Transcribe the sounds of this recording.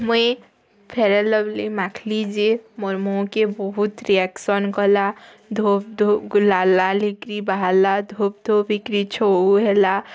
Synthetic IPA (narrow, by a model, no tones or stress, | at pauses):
məe | pʰeɾeləblimakʰlid͡ʒiemɔɾmõkebɔɦut̪ɾiɛksɔnkɔla | d̪ʱopd̪ʱoɡʊlaːlalikɾibaalad̪ʱop̚d̪ʱobikɾit͡ʃʰouɦɛla